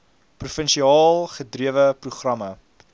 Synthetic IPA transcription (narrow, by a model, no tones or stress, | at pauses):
prufənʃiɑːlˠχədriəvəpruχrɐmɐ